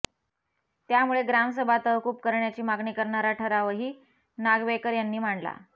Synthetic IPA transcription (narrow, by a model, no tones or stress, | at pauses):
t̪jamuɭeɡɾamsəbʱat̪əʋkuːp̚kəɾɳjat͡ɕiːmaɡɳiːkəɾɳaɾaʈʰəɾaʋəɦiː | naɡʋekəɾjanːiːm̤aɳla̰